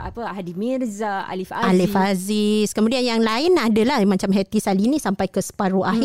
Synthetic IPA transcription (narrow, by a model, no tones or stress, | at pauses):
a̰pəaɦdimirzaa̰lifaalifaziskəmudianjaŋlaɪnadalahmãt͡ʃamɦɛt̪isalinĩsampajkəsə̥paɾuʔaɦ